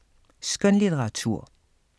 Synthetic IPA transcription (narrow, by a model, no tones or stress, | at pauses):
skœnlitəʁɑt͡sʰṵɐ̰